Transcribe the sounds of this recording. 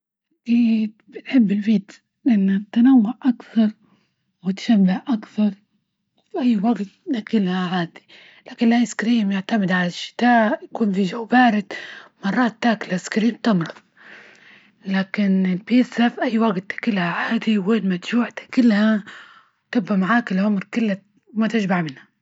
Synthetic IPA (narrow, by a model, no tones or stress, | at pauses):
ʔʔakiːd̪̚bɪnħɪbːɪlbiːt̪ | ʔʔɪnːat̪ːanawːʊʕʔakθɑɾˤ | wɪt̪ḁʃabːahʔakθɑɾˤ | wfiʔajːwaɡt̪akɪlhaʕaːd̪i̥ | laːkɪnlajskɾiːmjɪʕt̪amɪd̪ʕalaʃːɪ̥t̪aːʔʔjakuːnfid͡ʒawbaːɾɪd̪mɑrˤːɑːt̪ːaːklaskɾiːmt̪ɪmɾˤʊðˤ | laːkɪnɪlbiːsafiʔajːwaɡt̪ḁkɪlhaʕaːd̪iweːnmat̪ʒ̥uːʕt̪ḁkɪlːha | wt̪ɪbːamaʕaːkɪlʕʊmɾkɪlːa | wmat̪ɪd͡ʒbaʕmɪnhḁ